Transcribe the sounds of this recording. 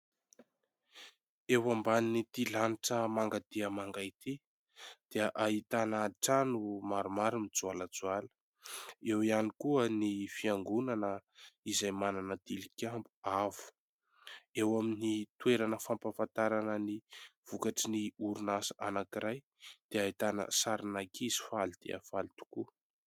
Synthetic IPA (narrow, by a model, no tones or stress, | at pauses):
ewambaninit̪ilaniʈ͡ʂəmaŋɡat̪iəmaŋɡajt̪i | d̪̥iəʔaɦit̪anaʈ͡ʂanumaɾumaɾimid͡zualəd͡zualə̥ | ewianikuənifiaŋɡunanəizajmananəd̪ilikʲambu̥avu̥ | ewaminit̪weɾanəfampafant̪aɾanəniv̥ukaʈ͡ʂiniuɾunasaʔanakiɾaj | d̪̥eait̪anə̰saɾinakizi̥falid̪̥ḛa̰falit̪u̥ku